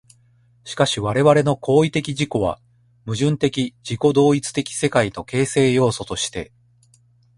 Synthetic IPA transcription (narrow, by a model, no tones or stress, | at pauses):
ɕi̥kaɕiβaɾe̞βaɾe̞no̞kʰo̞ːit̪e̞kʲiʑiko̞β̞a̰ | mɯ̟ʑɨ̃nt̪e̞kʲid͡ʑiko̞d̪o̞ːit͡sɨ̥t̪e̞kʲi̥se̞kaino̞ke̞ːse̞ːjo̞ːso̞t̪o̞ɕi̥t̪e̞̰